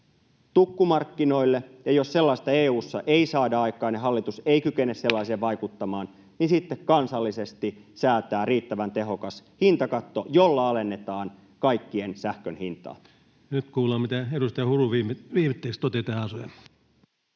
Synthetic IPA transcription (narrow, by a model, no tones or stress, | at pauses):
t̪ukːumɑrkːino̞ilːejɑjosse̞lːɑist̪ɑeːuːsːɑ̰ʔeisɑːdɑɑjkˑɑːneɦɑlːit̪useikykenːesse̞lːɑiseːʋʋɑjkut̪ːɑmɑːn | ninsit̪ːekkɑnsɑlːise̞st̪isæːt̪æːriːt̪ːæʋænt̪e̞ɦo̞kɑshint̪ɑkɑt̪ːojolːɑɑle̞nːe̞t̪ɑːn | kɑjkːiensæhkønhint̪ɑ̰ː | nyt̪kuːlɑːmit̪æeɾust̪ɑjɑhuruʋiːmʋiːmit̪ːeːkst̪ot̪et̪ɑːɑsujɑ